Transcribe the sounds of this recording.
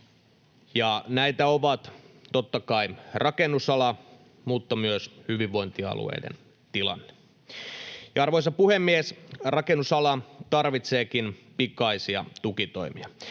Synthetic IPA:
jɑnæit̪æoʋɑt̪t̪ot̪ːɑkɑirʔɑkenːˑusɑlɑ | muːt̪ːɑmyøshyʋiʋʋoint̪iɑ̰lṵḛidḛn | t̪ilɑ̰nːe̥ | jɑɑrʋoisɑpuhemːiesrɑkenːusɑlɑt̪ɑrʋit̪seːkinpikɑisiɑ̰t̪ukit̪o̰imḭɑ

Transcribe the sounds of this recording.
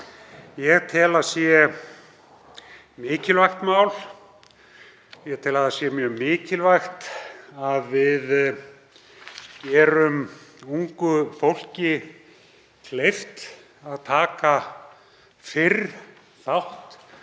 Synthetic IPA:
jɛɣt̪ʰɪlaðsjɛ | mɪːcɪlvajxt̪maːwl | jɛɣt̪ʰɪlaðasjɛmjœːɣmɪːcɪlvajxt̪aðvɪð | ɛɾʏmuŋkʏfowl̥cɪ | kʰlejft̪ | aðt̪ʰaːka | fɪr | θawht̪

